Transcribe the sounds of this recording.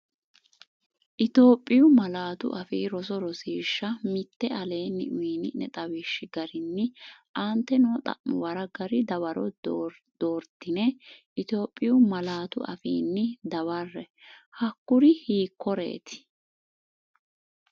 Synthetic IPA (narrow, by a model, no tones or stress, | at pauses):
ʔɪt̪o̞ːpʼːɪjʊmɐlaːt̪ʊ̰ʔɐfḭːɾɔsɔɾɔsiːʃːɐmɪt̪ːɛʔɐleːnːɪ̰ʔʊiːnɪnɛt̪ʼɐwɪʃːɪɡɐɾɪnːɪʔaːnt̪ːɛnɔt̪ʼɐ̰ʔmʊwɐɾɐɡɐɾɪd̪ɐwɐɾɔ̰d̪̥oːɾd̪̥ɪnɛʔɪt̪o̞ːpʼːɪjʊmɐlaːt̪ʊ̰ɐ̰fḭːnːɪd̪ɐwɐrːɛhɐkːʊɾɪhiːkːɔɾḛːt̪ɪ̥